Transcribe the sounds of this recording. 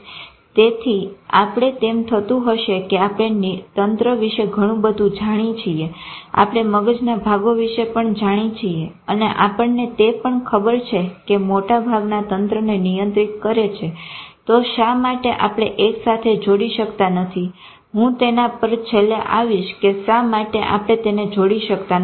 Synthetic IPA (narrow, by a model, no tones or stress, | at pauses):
t̪et̪ʰiapɽ̃et̪emt̪ʰət̪ũɦəʃekeapɽ̃ent̪ənt̪ɾəʋiʃeɡʱəɽ̃ũbəd̪ʱũd͡ʒaɽ̃it͡ʃʰiea̰pɽ̃eməɡəd͡ʒnabʱaɡoʋiʃepəɳd͡ʒaɽ̃it͡ʃʰie | əneʔapəɳnet̪epəɳkʰəbəɾt͡ʃʰekemoʈabʱaɡnat̪ənt̪ɾənenijənt̪ɾit̪kəɾet͡ʃʰet̪oʃamaʈeʔapɽ̃eʔeksat̪ʰed͡ʒoɽiʃəkt̪anət̪ʰi | ɦũt̪enapəɾt͡ʃʰeleʔaʋiʃkeʃamaʈeʔa̰pɽ̃et̪ened͡ʒoɽiʃəkt̪a